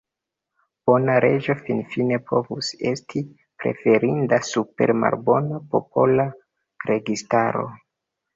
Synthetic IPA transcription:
b̥o̞naɾe̞d͡ʒo̞finfine̞pʰo̞vuse̞stʰi | pɾe̞̰fe̞ɾindasupe̞̰ɾma̰lbo̞napo̞po̞la | ɾe̞ɡistaɾo̞̰

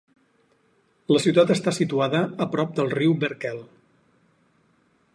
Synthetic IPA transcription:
ləsiuwt̪at̪əst̪asit̪uaðəːpɾɔp̚d̪əlˠriwbəɾkɛlˠ

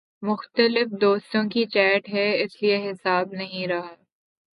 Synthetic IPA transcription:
mʊxt̪əlɪfd̪oːst̪õkit͡ʃɛːʈɦɛɪslieɦɪsaːbnɐɦĩɾɐɦaː

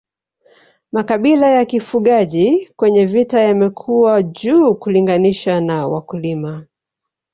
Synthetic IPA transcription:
makaɓilajakifuɠaʄikwɛɲɛvitajamɛkʰuwaʄuːkuliŋɡaniʃanawa̰kulima

